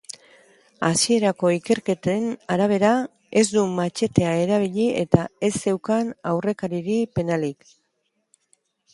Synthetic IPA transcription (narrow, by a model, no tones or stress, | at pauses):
asie̞ɾako̞ike̞ɾke̞t̪enaɾaβ̞e̞ɾa | e̞zd̪umat͡ʃe̞t̪e̞ae̞ɾaβ̞iʎie̞t̪ae̞se̞wkanawre̞kaɾiɾipe̞nalik